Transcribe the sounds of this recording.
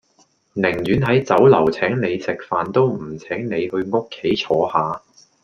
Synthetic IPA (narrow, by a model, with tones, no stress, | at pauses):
nɪ˨˩ŋjyː˨˥nɦɐ˨˥jt͡sɐ˨˥wlɐ˨˩wt͡sʰɛː˨˥ŋne˨˧jt͡sɪ˨k̚faː˨nt̪o˥wm̩˨˩t͡sʰɛː˨˥ŋne˨˧jhɵ˧ɥŋʊ˥kʰːe˨˥jt͡sʰɔː˨˥haː˨˧